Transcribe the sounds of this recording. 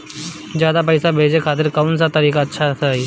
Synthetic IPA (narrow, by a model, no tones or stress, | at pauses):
zjaːd̪ap̬əjsabʱeːd͡ʒekʰaːt̪̬ɪɾkɐʊns̬at̪əɾiːkatːʃʰasʰaiː